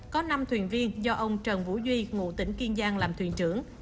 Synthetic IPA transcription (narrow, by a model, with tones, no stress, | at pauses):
kɔ˨˦na˧mt̪ʰwi˨˩ənvi˧ənzɔ˧ʔə˧wŋ͡mt͡ɕəː˨˩nvṵ˧˥zwi˧ŋṵ˧˨t̪ï˧˩˥ŋ̟ki˧ənzaː˧ŋlaː˨˩mt̪ʰwḭ˨˩ənt͡ɕɨ˧˩əŋ